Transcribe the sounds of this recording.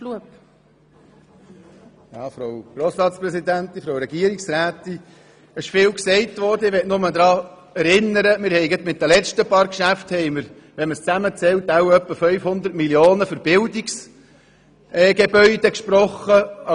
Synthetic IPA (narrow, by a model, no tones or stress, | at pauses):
luəp | jɑːfɾowɡ̥ɾoːsɾɑːt̪spɾɛsid̪ænt̪infɾoʊɾɛɡ̥iəɾiksɾæːt̪i | əʃfɪːwksɛɪtʋɔːɾdəɪʋɛtnʊməd̪ɾɑː | ɛɾɪnːəɾəmɪɾhɛɪɡət̪mɪt̪̚d̥̪ælɛt͡ʃtəpɑːɾkʃæfthɛɪməɾ | ʋɛnməst͡sæmət͡sɛltawœpːəfœɥfhʊnd̪əɾtmiljoːnəfəɾb̥ɪldiks | ɛːɡ̥ebœʏd̥̪ɛkʃpɾɔχːəɑ